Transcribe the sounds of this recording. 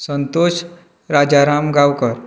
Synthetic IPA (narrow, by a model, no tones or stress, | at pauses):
sənt̪oɕ | ɾad͡ʑaɾamɡawkəɾ